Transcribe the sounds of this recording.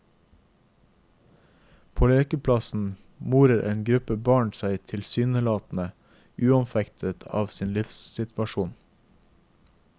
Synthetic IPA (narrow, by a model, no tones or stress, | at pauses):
pʰoːleːkəpʰlɑsn̩ | muːɾəɾʔḛːnɡɾʉpəbɑːɳsæɪt̪ʰɪlsyːnəlɑːt̪n̩ə | ʔʉːɑnfɛkt̪ʰət̪ʰɑ̰ːʋsiːnlɪfssɪt̪ʰʋɑʃuːn